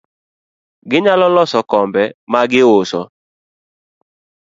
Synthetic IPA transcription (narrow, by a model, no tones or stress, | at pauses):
ɡɪɲalɔlɔsɔkɔmbɛmaɡɪʊsɔ